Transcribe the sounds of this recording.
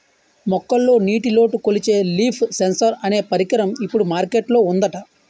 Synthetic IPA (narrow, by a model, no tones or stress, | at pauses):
mɔkːɐlːo̞ːniːʈilo̞ːʈukolit͡ʃe̞ːliːpʰsensɐɾɐne̞ːpɐɾikɐɾɐmipːuɽumaːɾkeʈlo̞ːund̪ɐʈɐ